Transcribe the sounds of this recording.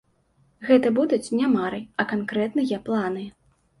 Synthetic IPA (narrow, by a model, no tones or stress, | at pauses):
ɣɛt̪ɐbud̪ut͡sʲnʲamaɾɨɐkankɾɛt̪nɨjaplˠanɨ